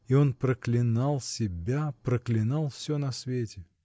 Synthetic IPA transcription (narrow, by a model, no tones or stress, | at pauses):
io̞npɾəklʲɪnɑlˠsʲɪbʲapɾəklʲɪnɑlˠfsʲonɐsvʲetʲɪ